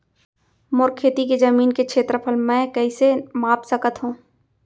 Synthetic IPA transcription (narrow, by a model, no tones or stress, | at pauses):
mʊɾkʰːeːt̪iked͡ʒɐmiːnkekt͡ʃʰeːt̪ɾəpʰəlmɛ̃kɛisemaːpsəkət̪ɦũː